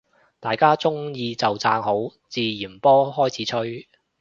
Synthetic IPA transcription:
t̪aː˨jkaː˥t͡sʊ˥ŋjiː˧t͡sɐ˨wt͡sa̰ː˧ŋɦo˨˥wt͡siː˨jiː˨˩npɔː˥ɦɔː˥jt͡sʰiː˨˥t͡ʃʰɵ˥ɥ

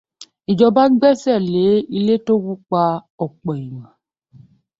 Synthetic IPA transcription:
i˨d͡ʒɔ˧ba˦ɡ͡bɛ˦˨sɛ˦˨le˨˦i˧le˦to˦wu˦k͡pa˧ | ɔ˨k͡pɔ˨i˨wã˨

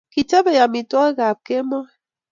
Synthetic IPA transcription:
ki˨t͡ʃe˦be˨ja˨mi˨tɔ˦ɣe˦ɣa˨p̚ke˦mɔ˦˨

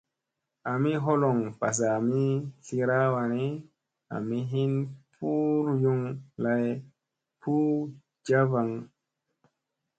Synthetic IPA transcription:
a˨mi˦ɦo˦lo˨ŋpa˨s̬a˨mi˦ɬi˧ɾa˦wa˧ni˦ | a̰˨mi˦ɦi˦npʰu˦ɾju˧ŋla˧˨j | pʰu˦ | d͡ʒa˦va˨ŋ

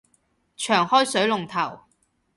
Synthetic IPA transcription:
t͡ʃʰœː˨˩ŋhɔː˥jsɵ˨˥ɥlʊ˨˩ŋt̪ʰɐ˨˩w

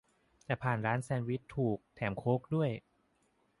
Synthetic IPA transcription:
t̪ɛː˨˩pʰaː˨˩nɾaː˦˥nsɛː˧nwi˦˥t̪ʰːuː˨˩k̚t̪ʰɛː˩˦mkʰoː˦˥k̚du˥˩əj

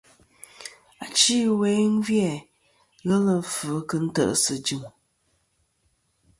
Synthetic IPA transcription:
a˨t͡ʃi˦we˨˦n̩˦vjɛ˨ | ɣɛ˦lə˨˦fɨ˨˦kɨ˨n̩˦tə̰˦ʔə˦sɨ˨d͡ʒɨ˨m

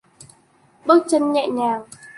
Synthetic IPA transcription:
ɓɨ˦˥k̚t͡ɕə˧nɲɛ̰˧˨ʔɲaː˧˩w

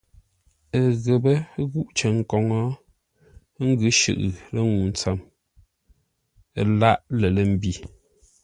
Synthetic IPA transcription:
ə˨ɣə˨bə˦ɣu˦ʔt͡ʃə˨ŋ˨kɔ˨ŋɔ˦ | ŋ̩˦ɡʉ˦ʃʉ̰˨ʔɨ˨lə˦ŋu˨n˦t͡sa˨m˨ | la˦˨ʔlə˨lə˨m̩˦bi˦˨

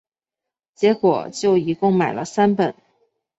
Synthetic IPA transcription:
t͡ɕjɛ˧˥kwɔ˨˩t͡ɕjo˥˩ʊi˧˥kʊ˥˩ŋma˨˩ɪlə˦sa˥npə˨˩˦n

